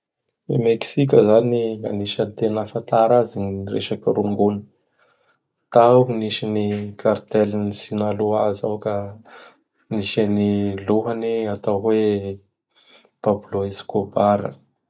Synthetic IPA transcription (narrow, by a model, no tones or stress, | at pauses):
ḛmeksik̬ʲəzaniŋa̰niʃənt̪enafat̪aɾazinrḛʃakəɾuŋɡunə̥ | t̪awkiniʃinikʰart̪ɛlinisinaluaza̰wka | niʃaniluɦaniat̪awwe | pabuloeskobaɾə̰